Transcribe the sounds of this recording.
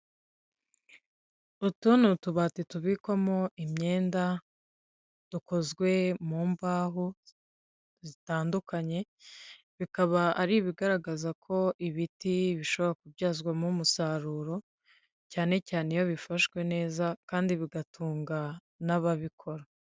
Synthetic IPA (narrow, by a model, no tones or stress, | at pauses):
utunutuβaːtituβikwamo̞imɲe̞ːnda | d̥uko̞zɡwe̞muːmbaːɦu | zitaːndukaɲe̞ | βikaβaʔaɾiβiɡaɾaɡazakʰo̞ʔiβitiβiʃo̞βo̞ɾakubɟaːzɡwamumusaɾuːɾo̞ | caːne̞caːnejo̞βifaʃɡwe̞ne̞ːzakaːndiβiɡatʰuːŋɡa | naβaβikʰo̞ɾa